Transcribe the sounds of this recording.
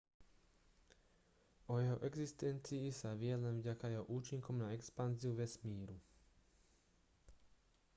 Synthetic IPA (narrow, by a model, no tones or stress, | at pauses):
ɔjɛɦɔʔɛɡzist̪ɛnt͡siːsaʋɪɛlɛnvɟakajɛɦɔʔuːt͡ʃiŋkɔʊnaɛkspanziuʋɛsmiːɾu